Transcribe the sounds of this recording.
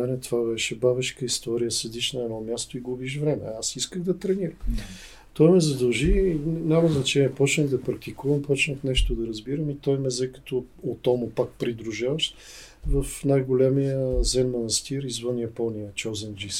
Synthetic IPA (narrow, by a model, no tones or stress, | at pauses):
mɛnɛt̪ovabɛʃɛbavɛʃkəist̪ɔɾijəsɛd̪iʃnɐɛd̪ɔmʲjast̪oiɡʊbiʃ̬vɾɛmɛ̰asiskəɣd̪ɐt̪ɾɛniɾəm | t̪ɔjmɛzɐd̪ɐlˠʒiɲʲaməznɐt͡ʃɛniəpɔt͡ʃnɛmd̪ɐpɾɐk̚t̪ikuvɐmpɔt͡ʃnəfnɛʃt̪od̪ɐɾɐzbiɾəmit̪ɔjmɛzɛkə̥t̪o | ot̪ɔmʊpak̚pɾid̪ɾuʒavəʃt̪ | vəfnajɡolʲɛmijəzɛnmɐnɐst̪iɾizvɤnjɐpɔnijət͡ʃɔzənd͡ʒis